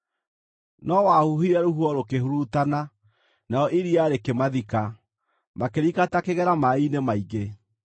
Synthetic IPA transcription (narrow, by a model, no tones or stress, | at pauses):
nɔwahuɦiɾɛɾoɦuɔɾokeɦuɾutana | naɔʔiɾiaɾekemaðika | makeɾikatakeɣɛɾamainemaiɣe